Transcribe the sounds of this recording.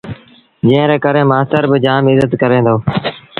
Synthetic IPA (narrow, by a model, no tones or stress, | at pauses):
d͡ʒɪ̃ːə̃ɾeːkəɾẽːmaːst̪əɾbɪd͡ʒaːmɪzət̪kəɾẽːnd̪oː